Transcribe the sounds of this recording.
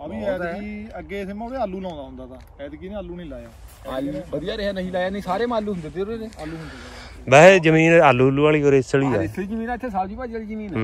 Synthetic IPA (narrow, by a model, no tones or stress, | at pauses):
əĩːɛːd̪kiːəɡeːsemãːneːalːuːlãːnd̪aːɦʊnd̪aːt̪ãː | ɛːd̪ɡiːnẽːaːlːuːnĩːlaːjaː | aːbəd̪ɪjaːɾeːanəɦĩːlaːjaːnəĩːsaːɾeːmaːlːuːɦʊnd̪eːd̪eːoɾeːɾeːaːlːuːɦnd̪e | bɛɦd͡ʒəmĩːnaːlːuːɦlːuːaːliːoːɾest͡ʃəɽiːɛːid͡ʒəmĩːnãɪt̪ʰːeːsaːd͡ʒiːpaːd͡ʒd͡ʒəɽiːd͡ʒiːnĩːn